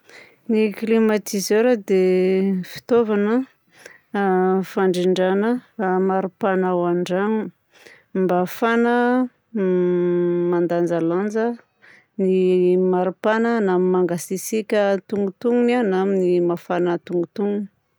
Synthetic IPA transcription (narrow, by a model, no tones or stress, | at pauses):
niklimat̪izeɾəd̪efi̥t̪ovanə | faɳɖ͡ʐiɳɖ͡ʐanəmaɾupanawaɳɖ͡ʐaŋu | mbafanə | mand̪and͡zaland͡zə | nimaɾupanənamimaŋɡasisikʲət̪uŋɡut̪uŋunanaminimafanət̪uŋɡut̪uŋuni̥